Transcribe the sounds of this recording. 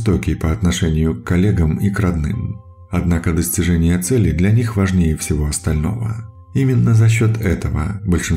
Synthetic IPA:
t̪okʲɪjpəɐt̪nɐʂɛnʲɪjʊkːɐlʲeɡəmikɾɐd̪nɨ̰m | ɐd̪nakəd̪əsʲtʲɪʐɛnʲɪjət̪sɛlʲɪd̪lʲɐnʲixvɐʐnʲejəfsʲɪvo̞ɐst̪ɐlʲno̞̰və̰ | imʲɪnːəzɐɕ̬ːo̞t̪ɛt̪əvə̰bəlʲʂɨn

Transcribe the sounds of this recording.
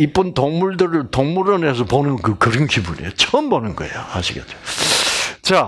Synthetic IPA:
ip͈ɯnt̪oŋmuɭdɯɾɯɭtoŋmuɾʌnes̬ʰʌponɯnkɯkɯɾɯnkibunḛjot͡ɕʰʌmbonɯnɡʌ̰ḛjohaɕʰiɡet͡ɕ͈o̥ | t͡ɕa

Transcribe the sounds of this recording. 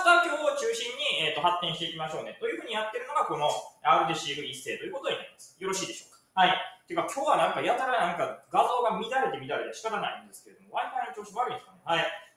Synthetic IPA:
t̪akʲooːot͡ɕɨːɕĩɲ̟ːieːt̪ːo̞ɦat̪ːẽ̞ɰ̃ɕi̥t̪e̞ikʲimaɕo̞ːne̞t̪o̞jɯ̟ɸɯ̟ːɲ̟ijat̪ːe̞ɾɯ̟noɡako̞no̞aɾɯ̟d̪eɕiːɡɯ̟ĩse̞ːt̪ojɯ̟kot̪oinaĩnd̪esɨ̥jo̞ɾo̞ɕiːd̪e̞ɕo̞ːkḁhait̪ːojɯ̟kakʲʰo̞ːβanãŋkajat̪aɾanãŋkaɡazo̞ːɡamʲid̪aɾe̞t̪e̞mʲid̪aɾe̞t̪eɕi̥kaɾanaḭ̃nd̪e̞sɨ̥ke̞ɾe̞d̪o̞mo̞βaikanot͡ɕo̞ːɕimoaɾɯ̟ĩd̪skanehai

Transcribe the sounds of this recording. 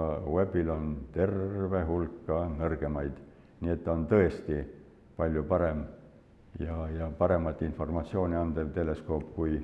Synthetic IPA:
we̞bilo̞nt̪e̞rve̞ɦulkːɑnɤrɡ̥e̞mɑjd̪̥ | nie̞t̪ːˑo̞nt̪ɤe̞st̪i | pɑlʲjupɑɾe̞m | jɑjɑpɑɾe̞mɑt̪ːˑinfo̞rmɑt̪ʲsio̞ːnʲiɑnd̪̥e̞lt̪e̞le̞sko̞ːpːˑkuj

